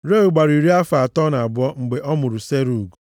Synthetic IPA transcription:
ɾe˦u˨ɡ͡ba˨ɾi˨ɾi˦a˦fa˨a˨tɔ˦na˨a˨bʊ˦ɔ˦ŋ͡m̩˨ɡ͡be˨ʔɔ˦mʊ˨ɾu˨se˦ɾu˨ɡu˨

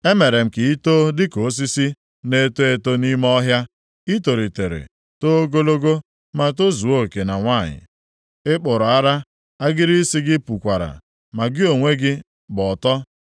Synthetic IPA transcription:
e˦me˨ɾe˨m̩˨ki˨i˦to˦dɪ˦ko˨˦s̬i˦si˦ | ne˦to˦e˦to˦ni˦m˦ɔ˦ɦja˦ | i˦to˨ɾi˨te˨ɾḛ˨ | to˦o˦ɡo˦lo˦ɡo˦ | ma˨t̬o˦zu˨o˦˨ke˨na˨ŋʷa˦˨ɲɪ̰˨ | ɪ˦k͡pʊ˨ɾʊ˨a˦ɾa˦ | a˦ɡɪ˦ɾi˦si˦ɡɪ˦pu˨kʷa˨ɾa̰˨ | ma˨ɡɪ˦o˨ŋʷe˦ɡɪ˦ | bɔ˨tɔ˦

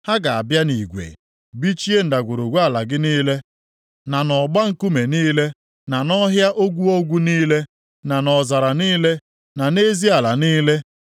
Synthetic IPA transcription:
ha˦ɡa˨a˨bja˦ni˨ɡʷḛ˨ | bi˦t͡ʃi˦e˦n̩˨da˨ɡʷo˨ɾo˨ɡʷu˦a˨la˨ɡɪ˦niː˦le˦ | na˨nɔ˨ɡ͡ba˦ŋ̩˨ku˦me˨niː˦le˦ | na˨nɔ˦ɦja˦ʔo˦ɡʷu˦o˦ɡʷu˦niː˦le˦ | na˨nɔ˨za˨ɾa˨niː˦le˦ | na˨ne˦zi˦a˨la˨niː˦le˦

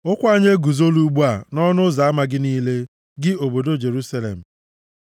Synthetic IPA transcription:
ʊ˦kʷa˦ɲe˦ɡu˨zo˦lu˦ɡ͡bu˦a˨nɔ˦nʊ˦za˨a˦ma˨ɡɪ˦niː˦le˦ | ɡɪ˦o˨bo˨do˦d͡ʒe˨ɾu˦sa˦lḛ˨m̩˨

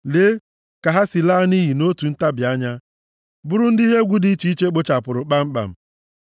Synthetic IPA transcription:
le˦ | ka˨ɦa˦si˨laː˦ni˦ɦi˨no˦tu˨n̩˦ta˦bja˦ɲa˦ | bʊ˦ɾʊ˦n̩˦di˦ɦe˦ɡʷu˦di˦t͡ʃi˦i˦t͡ʃe˦k͡po˦t͡ʃa˨pʊ˨ɾʊ˨k͡pa˦m̩˦k͡pa̰˨m̩˨

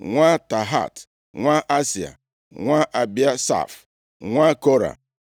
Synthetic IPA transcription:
ŋʷa˦ta˨ɦa̰˦˨t | ŋʷa˦ʔa˦si˨a̰˨ | ŋʷa˦ʔa˨bja˦sa̰˦˨f | ŋʷa˦ko˦ɾa̰˨

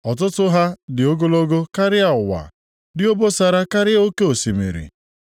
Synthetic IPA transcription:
ɔ˨t̬ʊ˦tʊ˦ɦa˦dɪ˨o˦ɡo˦lo˦ɡo˦ka˦ɾɪ˦a˨ʊ˨wa̰˨ | dɪ˦o˦bo˦sa˨ɾa˦ka˦ɾɪ˦o˦ke˦o˨si˨mḛ˨ɾḭ˨

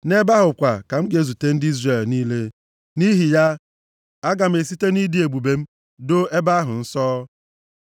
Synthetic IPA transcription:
ne˦ba˦ɦʊ˨kʷa˨ka˨m̩˦ɡe˦˨zu˨te˦n̩˦di˦zre˨lniː˦le˦ | ni˦ɦi˨ja˦ | a˦ɡa˨m̩˦e˨si˦te˦ni˦di˨e˨ɡ͡bu˨be˨m̩˦ | do˦e˦ba˦ɦʊ˨n̩˦sɔː˦

